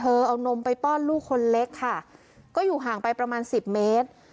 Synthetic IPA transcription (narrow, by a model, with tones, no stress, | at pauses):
t̪ʰɤː˧ʔa˧wno˧mpa˧jpɔː˥˩nluː˥˩kʰːo˧nle˦˥kʰːa˥˩ | kɔː˥˩juː˨˩ɦaː˩˦ŋpa˧jpɾa˧maː˧nsi˨˩p̚meː˦˥t̪̚